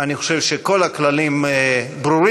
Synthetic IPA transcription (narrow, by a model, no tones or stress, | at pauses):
aniχoʃevʃeko̞laklalimbɾuɾi